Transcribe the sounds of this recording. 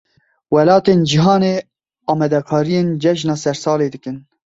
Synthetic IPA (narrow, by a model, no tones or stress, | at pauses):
wɛlɑːt̪eːnd͡ʒiɦɑːneː | ɑːmɛd̪ɛkʰɑːɾijeːnd͡ʒɛʃnɑːsɛɾsɑːleːd̪ɨkɨn